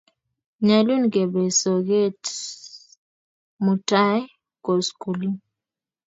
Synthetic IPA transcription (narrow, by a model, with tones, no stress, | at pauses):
ɲa˨lu˦nɡe˨be˨so˨ɡe˦t | mu˨ta˦ɛ˦ | ko˨sku˨li˦